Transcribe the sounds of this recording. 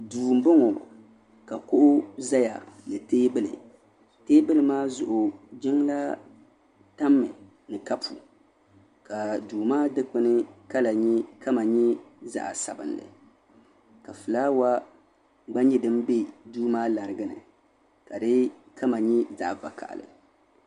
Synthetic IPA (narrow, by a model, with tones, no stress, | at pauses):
duː˨m̩˦bɨ˦ŋɔ˨ | ka˨kʊ˦ʔʊ˦za˦ja̰˨nɨ˨teː˦bɨ˦lɨ̰˨ | teː˦bɨ˦lɨ˨maː˦zʊ˨ʔʊ˨d͡ʒɪ˦ŋla˦ | ta˦mːɨ̰˨ | nɨ˨ka˦pʰṵ˨ | ka˨duː˨maː˦dɨ˦k͡pɨ˦nɨ˦ka˦la˨ɲɛ˦ka˦ma˨ɲɛ˦za̰˨ʔa˨sa̰˨bɨ̰˨nlɨ̰˨ | ka˨fɨ˨laː˦wa˦ | ɡ͡ba˦ɲɛ˦dɨ˦m˦be˦duː˦maː˦la˨ɾɨ˨ɡɨ˦nɨ̰˨ | ka˨dɨ˦ | kʰa˦ma˨ɲɛ˦za̰˨ʔva̰˨ka̰˨ʔlɨ̰˨